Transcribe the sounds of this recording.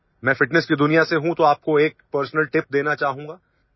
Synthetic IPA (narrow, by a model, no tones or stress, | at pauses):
mɛ̃ːfɪʈnəskid̪ʊnijaseɦũt̪oaːp̚koeːk̚pəɾsnəlʈɪp̚d̪eːnat͡ʃaːɦũːŋɡaː